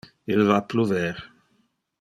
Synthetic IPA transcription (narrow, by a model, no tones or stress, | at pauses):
ilvapluvɛːʁ